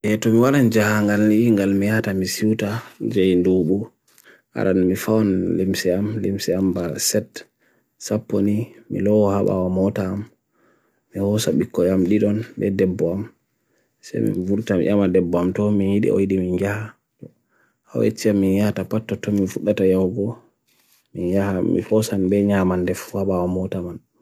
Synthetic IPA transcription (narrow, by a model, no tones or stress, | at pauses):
ʔɛtɔmiwaɾand͡ʒahaŋɡaliŋɡalmijatamisiwtad͡ʒajnduɓu | ha̰ɗanmifawɔnlimsɛamlimsɛambasɛt | sapːonimḭlɔwɔhaɓa̰wamɔtaːmː | ihɔsaɓikːɔjamɗiɗɔnbɛ̰dɛbːɔam | sa̰jmḭnvuɾtam̰ʔamadɛbːɔamtɔminjiɗḭʔo̰jɗimind͡ʒaha | tɔ | hawḛt͡ʃːiamːinjahatapatːɔtɔminfuɗːatajawɡɔ | minjahamḭhɔsanbɛɲamandɛfhaɓawamɔtaman